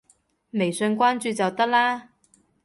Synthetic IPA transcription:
me˨˩jsɵ˧nkʷwaː˥nt͡ʃyː˨˧t͡sɐ˨wt̪ɐ˥k̚laː˥

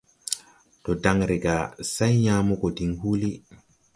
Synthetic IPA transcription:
tɔ˨da˨ŋɾe˨ɡa˨sa˦jɲaː˦mu˦kɔ˨di˨ŋhu˦li˦

